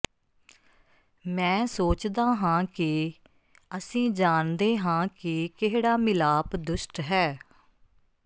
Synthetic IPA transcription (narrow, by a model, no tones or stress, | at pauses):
mɛ̃ːsoːt͡ʃd̪aːɦãːkɪ | əsĩːd͡ʒaːnd̪eːɦãːkɪkɪɦɽaːmɪlaːpd̪ʊʃʈɦɛː